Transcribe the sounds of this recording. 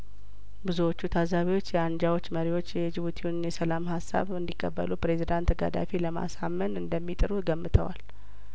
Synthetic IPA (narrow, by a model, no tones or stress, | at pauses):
bɨzuwo̞t͡ʃːut̪ʰazaβiwo̞t͡ʃːjɛand͡ʒawo̞t͡ʃːməɾiwo̞t͡ʃːjɛd͡ʒɪβut̪ʰiwunjɛsəlamhasːa̰βɨnd̪ikʼːəbːə̰lupɾe̞zid̪ant̪ɡa̰d̪a̰feləma̰samːənɨnd̪əmːit̪ʼɨɾuɡəmːɨt̪ʰə̰wa̰l